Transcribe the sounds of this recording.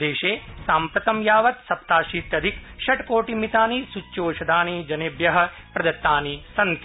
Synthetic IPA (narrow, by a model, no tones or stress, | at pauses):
eːʃeːsaːmpɾɐt̪ɐmjaːʋɐt̪sɐp̚t̪aːʃiːt̪jɐd̪ʱikʃɐʈkoːʈimit̪aːnisut͡ʃːoːʃɐd̪ʱaːnid͡ʒɐneːbjɐɦɐ̆ | pɾɐd̪ɐt̪ːaːnisɐnt̪